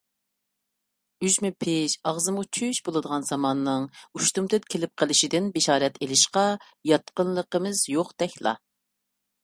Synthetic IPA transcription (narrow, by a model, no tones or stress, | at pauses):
yʒmɪpʰɪʃɑʁzɨmut͡ʃʰyʃbolˠɨd̪əʁɑnzɑmɑnːɨŋuʃt̪umt̪ʰɨt̪̚kʲʰelɪp̚qʰəlˠɪʃid̪ɪnbeʃɑːɾɛt̪ʰelɪʃqɑ | jɑt̪̚qənlˠəqəmɨzjoqd̪̥ɛkʲlˠɑ̰